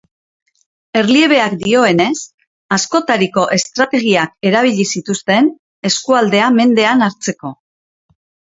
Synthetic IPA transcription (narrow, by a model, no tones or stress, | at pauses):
e̞ɾlie̞β̞e̞akd̪io̞e̞ne̞s | asko̞t̪aɾiko̞ʔe̞st̪ɾat̪e̞ɣ̞iake̞ɾaβ̞iʎisit̪ust̪e̞n | e̞skuald̪e̞ame̞nd̪e̞anaɾt͡se̞ko̞